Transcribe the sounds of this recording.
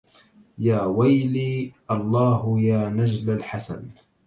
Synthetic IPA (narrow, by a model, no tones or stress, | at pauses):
jaːwajliːʔɑlˤːɑːhʊjaːnad͡ʒlalħasa̰n